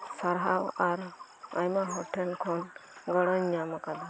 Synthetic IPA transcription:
saɾɦawaɾa̰jmaɦɔʈʰɛnkʰɔnɡɔɽɔɲɲamakad̪a

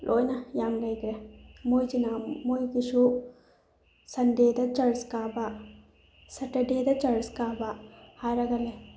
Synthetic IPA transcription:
lʔo̰ːjnɐjaːŋɡɐjɡɾemoːjd͡ʒinamoːjɡiʂu | sɐnɖ̪eːd̪ɐt͡ʃɐɾskaːba | sɐʈɐɖeːd̪ɐt͡ʃɐɻskaːbahaːɾɐɡɐle

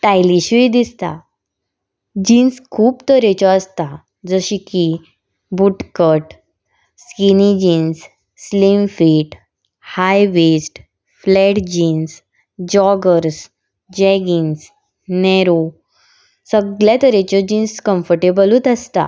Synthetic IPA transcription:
ʈajliɕid̪ist̪a̰ | d͡ʑinskʰuːbt̪əɾet͡ɕɔəst̪a | d͡zəɕiki | buʈkəʈ | skinid͡ʑinsː | limfiːʈ | hajʋesʈ | flɛʈd͡ʑiːns | d͡ʑɔɡəɾs | d͡ʑɛɡins | nɛɾo | səɡljat̪əɾet͡ɕɔd͡ʑinskəmfəɾʈebəlut̪əst̪a̰

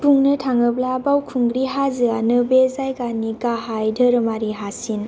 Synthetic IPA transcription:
buŋnɯtʰaŋɯblabawkʰuŋɡɾiɦazɯanɯbezajɡaniɡaɦajdəɾɯmaɾiɦasin

